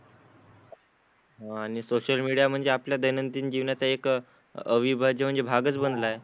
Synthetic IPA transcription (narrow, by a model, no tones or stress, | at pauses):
ɦaaɽ̃isoɕəlmiɽijam̤əɳd͡zeapljad̪əjnənt̪iːnd͡ʑiʋnjat͡saek | əʋibʱad͡ʑem̤əɳd͡zebʱaɡət͡sbənd̪lae